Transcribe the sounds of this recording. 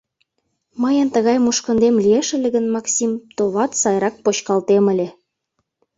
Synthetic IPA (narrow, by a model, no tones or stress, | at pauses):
mɤjə̆nt̪əɣɑjmuʃkə̆nd̪emlieʃə̆lʲĕɣə̆nmɑksʲimt̪oβɑt̪sɑjɾɑk̚pot͡ɕkɑlt̪emə̆lʲĕ